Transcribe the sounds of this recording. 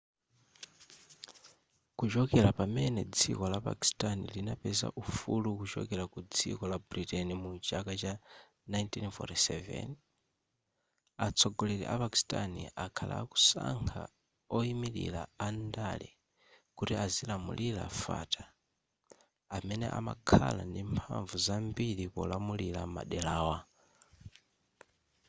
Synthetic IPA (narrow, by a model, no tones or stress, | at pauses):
kut͡ʃɔkɛɾapamɛnɛd͡zikɔlapa̰ki̥stʼanilinapɛza̰ʔufulukut͡ʃɔ̰kɛɾakud͡zḭkɔlabɾitɛnimud͡ʒakat͡ʃa | najntinfɔ̰tisɛvɛ̰n | at͡sʰɔɡɔlɛlḭʔapaki̥stʼaniʔakʰala̰ku̥saŋkʰa | ɔimililaandali | kutiazilamṵlʔilafata | amɛnɛʔamakʰalandimpʰaɱvuzambilipɔlamulilama̰ɗɛlaːwa